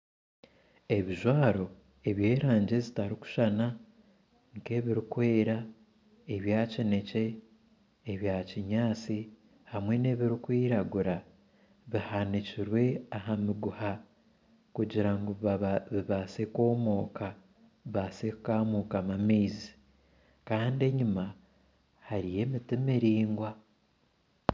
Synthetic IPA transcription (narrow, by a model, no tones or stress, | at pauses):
e̞βiʒwaːɾo̞ | e̞βje̞ːɾaːɲɟe̞zitaɾiku̥ʃana | ŋke̞ːβiɾikwe̞ːɾa | eβjacine̞ce̞ː | βjaciɲaːt͡si | hamwe̞ne̞βiɾikwiːɾaɡuɾa | βihaniciɾwe̞aɦamiɡuha | kuɟiɾaŋɡoβiβaːseko̞ːmo̞ːka | βasekkaːmuːkamamiːzi̥ | kaːnde̞ɲima | haɾije̞mitimiɾiːŋɡwa